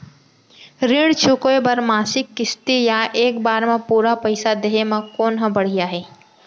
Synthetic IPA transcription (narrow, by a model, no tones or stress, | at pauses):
ɾiɽt͡ʃʰʊkoebɐɾmaːsɪkːɪst̪ijaʔeːkbaːɾmẽpuːɾapɐɪsad̪eɦemãkoːnɦə̃bɐɽ̤ijaɦɛː